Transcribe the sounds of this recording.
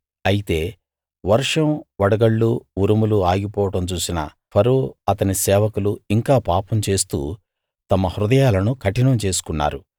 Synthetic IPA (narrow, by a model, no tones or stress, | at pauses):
ɐjit̪e̞ː | ʋɐɾʂɐmʋɐɽɐɡɐɭːuuɾumuluaːɡipɔːʋɐʈɐmt͡ʃuːsinɐ̰ | pʰɐɾoːɐt̪ɐnisɛːʋɐkuluiŋkaːpaːpɐmt͡ʃe̞ːst̪ṵː | t̪ɐmɐhɾud̪ɐjaːlɐnukʰɐʈinɐmt͡ʃe̞ːsu̥kunːa̰ːɾu